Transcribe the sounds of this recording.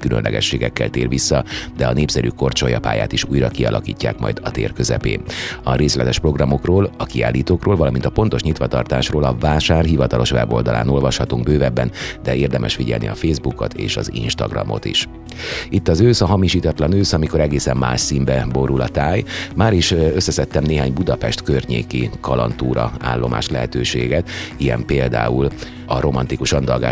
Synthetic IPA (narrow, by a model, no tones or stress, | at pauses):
kylønlʔɛɡɛ̰ʃːeːɡɛkːɛ̰lt̪eːrʋisːɒd̪ɛɒneːpsɛɾyːko̞rt͡ʃo̞jɒpa̰ːjaːt̪iʃuːjrɒkiɒlɒkḭːcːaːkmɒ̰jd̪ɒt̪ḛːrkøzɛpḛːɒɾeːslɛt̪ɛʃpro̞ɡrɒmo̞kroːlɒkiaːlːiːt̪oːkroːlvɒlɒmint̪ɒpo̞nt̪o̞ʃɲit̪ʋɒt̪ɒrt̪aːʃroːlɒvaːʃaːrɦivɒt̪ɒlo̞ʃʋɛ̰bo̞ːld̪ɒlʔa̰ːno̞lvɒʃhɒt̪uŋɡbøːvɛbːɛnd̪ɛeːrd̪ɛmʔɛʃfiɟɛ̰lnḭɒfeːzbuko̞t̪ḛːʃɒzḭnʃt̪ɒɡrɒ̰mʔo̞̰t̪ḭʃ | it̪ːɒzøːsɒɦɒmiʃiːt̪ɒt̪lɒnøːsɒmiko̞ɾɛɡeːsɛmːa̰ːʃsiːmbɛbo̞ɾulɒt̪aːjmaːɾiʃøsːɛsɛt̪ːɛmneːɦaːɲbud̪ɒpɛʃt̪kørɲḛːkikɒlɒ̰nt̪uːɾɒ̰a̰ːlːo̞mʔa̰ːʃlɛɦɛt̪øːʃeːɡɛt̪ijɛ̰mpeːld̪a̰ːul | ɒɾo̞mɒnt̪ikuʃɒnd̪ɒlɡa̰ː